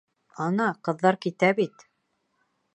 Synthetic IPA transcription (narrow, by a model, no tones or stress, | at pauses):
ɑnɑqɤ̆ðːɑɾkit̪æbit̪